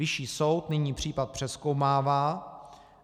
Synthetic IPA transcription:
ɪʃiːso̞wt̪nɪɲiːpr̝̥iːpat̪̚pr̥ɛsko̞wmaːvaː

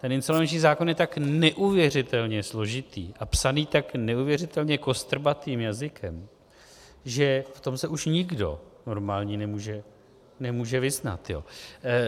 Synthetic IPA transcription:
t̪ɛnɪnst̪olmɛnt͡ʃɲiːzaːko̞njɛt̪aknɛʔuvjɛr̝ɪt̪ɛlɲɛslo̞ʒɪt̪ḭːʔapsaniːt̪aknɛuːvjɛrɪt̪ɛlɲɛko̞st̪r̩bat̪iːmjazɪkʰɛm | ʒɛft̪o̞msɛʔuʃɲɪɡdo̞̰no̞ɾmaːlɲiːnɛmuːʒɛ | nɛmuːʒɛvɪzna̰t̪jo̰

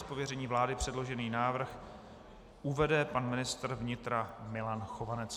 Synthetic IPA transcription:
spovjɛɾɛɲiːvlaːdɪpr̝̥ɛdlo̞ʒɛniːnaːvr̩x | ʔuvɛdɛpanmɪnɪst̪r̩vɲɪt̪ɾamɪlanxovanɛt͡s

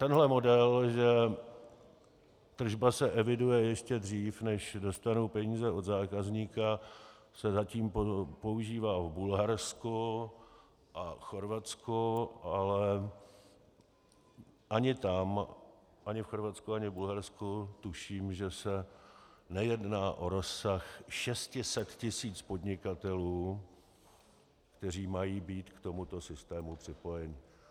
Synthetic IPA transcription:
t̪ɛnɦlɛmo̞dɛlʒɛ | t̪r̩ʒbasɛʔɛvɪdujɛjɪʃcɛd̪r̝iːfnɛʃdo̞st̪anowpɛɲiːzɛʔo̞d̪zaːkazɲiːka | sɛzaciːmpopo̞uʒiːvaːvbulɦaɾsku | ʔaxo̞ɾvat͡skuʔalɛ | ʔaɲɪt̪am | ʔaɲɪfxo̞ɾvat͡skuaɲɪvbulɦaɾskut̪uʃiːmʒɛsɛ | nɛjɛdnaːʔo̞ɾo̞sːaxʃɛscɪsɛt̪cɪsiːt͡spod̪ɲɪkat̪ɛluː | kt̪ɛr̝iːmajiːbiːt̪kt̪o̞mut̪o̞sɪst̪ɛːmupr̥ɪpo̞jɛɲɪ

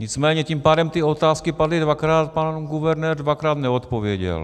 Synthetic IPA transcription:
ɲɪt͡smɛːɲɛcimpaːdɛmt̪ɪo̞t̪aːskɪpadlɪdvakɾaːt̪̚panɡuvɛɾnɛːɾdvakɾaːt̪nɛot̪povjɛɟɛ̰l

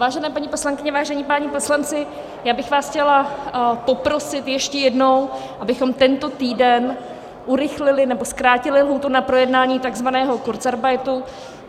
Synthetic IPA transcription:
vaːʒɛnɛːpaɲipo̞slaŋkɪɲɛvaːʒɛɲiːpaːɲipo̞slant͡sɪ | jaːbɪxvaːsxcɛlapo̞pɾo̞sɪt̪jɛʃcɛjɛdno̞wʔabɪxo̞mt̪ɛnt̪o̞t̪iːdɛn | ʔuɾɪxlɪlɪnɛbo̞skɾaːcɪlɪlɦuːt̪unapɾo̞jɛdnaːɲiːt̪aɡzvanɛːɦo̞koɾt͡saɾbajt̪u

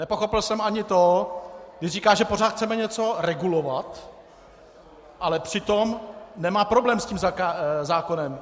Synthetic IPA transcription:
nɛpo̞xo̞pɪlsɛmʔaɲɪt̪oɡdɪriːkaːʒɛpo̞r̝aːt̪xt͡sɛmɛɲɛt͡so̞ɾɛɡulovat̪ | ʔalɛpr̝̥ɪt̪omnɛmaːpɾo̞blɛːmsciːmzaazaːko̞nɛm

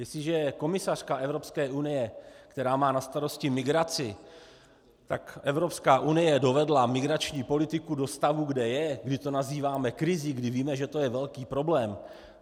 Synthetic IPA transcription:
jɛslɪʒɛko̞mɪsar̝̥kaʔɛvɾo̞pskɛːʔunɪjɛkt̪ɛɾaːmaːnast̪aɾo̞scɪmɪɡɾat͡sɪ | t̪akʔɛvɾo̞pskaːʔunɪjɛdo̞vɛdlamɪɡɾat͡ʃɲiːpo̞lɪt̪ɪkudo̞st̪avuɡdɛjɛɡdɪt̪o̞naziːvaːmɛkɾɪziɡdɪviːmɛʒɛt̪o̞jɛvɛlkiːpɾo̞blɛːm

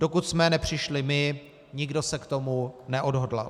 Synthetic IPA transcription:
d̥o̞kut̪smɛnɛpr̝̥ɪʃlɪmɪ | ɲɪɡdo̞sɛkt̪o̞munɛʔodɦodla̰l

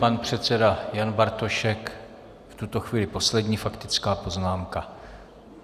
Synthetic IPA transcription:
panpr̝̥ɛt̪t͡sɛdajanbaɾt̪o̞ʃɛk | ft̪ut̪o̞xviːlɪpo̞slɛdɲiːfakt̪ɪt͡skaːpo̞znaːmka

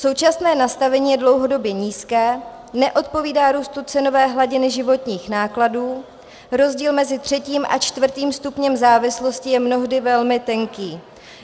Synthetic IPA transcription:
so̞wt͡ʃasnɛːnast̪avɛɲiːjɛdlo̞wɦo̞do̞bjɛɲiːskɛː | nɛʔo̞t̪̚po̞viːdaːɾuːst̪ut͡sɛno̞vɛːɦlaɟɪnɪʒɪvo̞t̪ɲiːxnaːkladuː | ɾo̞zɟiːlmɛzɪt̪r̝̥ɛciːmʔa̰t͡ʃt̪vr̩t̪iːmst̪upɲɛmzaːvɪslo̞scɪjɛmno̞ɦdɪvɛlmɪt̪ɛŋkiː

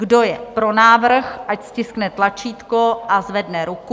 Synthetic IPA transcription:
ɡdo̞jɛpɾo̞naːvr̩xʔacscɪsknɛt̪lat͡ʃiːt̪koʔazvɛdnɛɾuku

